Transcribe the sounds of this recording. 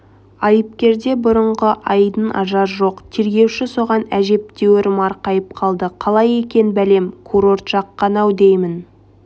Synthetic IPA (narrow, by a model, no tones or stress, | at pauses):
ɑjəp̚kʲe̞ɾd̪e̞bʊɾəɴʁəʔɑjd̪ənɑʒɑɾʒo̞qt̪ʰe̞ɾɡʲe̞wʃɪso̞ʁɑnæʒe̞p̚t̪e̞wɪɾmɑɾqɑjəp̚qʰɑlˠd̪əqʰɑlˠɑje̞kʲe̞nbæle̞mkʰuɾo̞rt̪ʒ̥ɑqːɑnɑwd̪ejmɪn